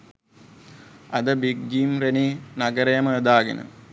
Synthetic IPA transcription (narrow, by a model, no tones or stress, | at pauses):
ɐd̪ɐbiɡɡiːmreninɐɡɐɾɐjɐmɐːd̪aːɡḛnɐ̰